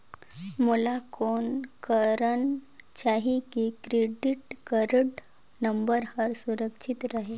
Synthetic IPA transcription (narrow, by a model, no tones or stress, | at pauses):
mulakonkəɾənt͡ɕaɦikikɾeɖiʈkəɾəʈ | nəmbəɾhəɾsuɾəkʂʰit̪ɾaɦe